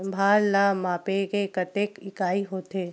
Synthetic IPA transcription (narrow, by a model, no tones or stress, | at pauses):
bʱaːɾlamaːpekekət̪eːkɪkaːiɦoːt̪eː